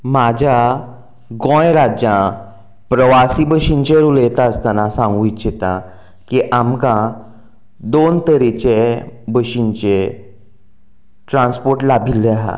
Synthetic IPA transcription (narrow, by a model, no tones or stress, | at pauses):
mad͡ʑʱa | ɡɔ̃jɾad͡ʑjã | pɾəʋasibəɕint͡ɕeɾulet̪aəst̪anasãŋɡũiɕet̪ã̰ | kiʔamkã | d̪ont̪əɾit͡ɕebəɕint͡ɕe | ʈɾãnspoɾʈlabʱilːeaɦa̰